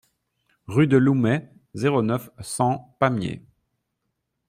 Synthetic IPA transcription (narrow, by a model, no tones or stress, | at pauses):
ʁyd̪əlumɛ | zeʁonœfsɑ̃pamjḛ